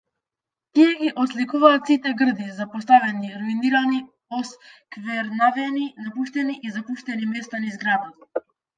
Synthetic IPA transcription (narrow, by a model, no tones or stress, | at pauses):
t̪iɛɡiʔɔslikuvaːt̪sit̪ɛɡr̩d̪izapɔs̬t̪avɛniɾuiniɾani | ɔskvɛɾnavɛninapuʃt̪ɛniʔizapuʃt̪ɛnimɛst̪anizɡɾad̪at̪a